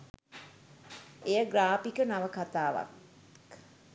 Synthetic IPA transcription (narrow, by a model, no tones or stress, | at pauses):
ejəɡɾaːpikənaʋəkat̪aːʋa̰k